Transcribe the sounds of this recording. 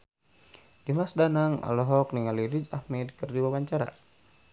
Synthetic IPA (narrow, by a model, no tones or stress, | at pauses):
dimasdanaŋa̰lɔɦɔkniŋaliɾid͡ʒahmɛdkərdiwawaɲt͡ʃaɾa̰